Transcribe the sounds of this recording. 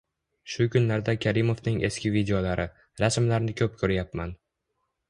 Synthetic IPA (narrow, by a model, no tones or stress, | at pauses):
ʃʊkʰʊnlaɾd̪akʲʰaɾɪmovnɪŋʔe̞̰skʲɪvid̪eolaɾɪ | ɾasmlaɾnɪkʲʰɵp̚kʰɵɾjap̚man